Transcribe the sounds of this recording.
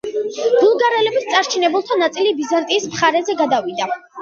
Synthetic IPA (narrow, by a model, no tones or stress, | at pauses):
ɡ̥ulˠɡaɾɛlɛbist̪sʼaɾt͡ʃʰinɛbulˠt̪ʰanat̪sʼilibizant̪ʼiːsmχaɾɛzɛɡad̪avid̪a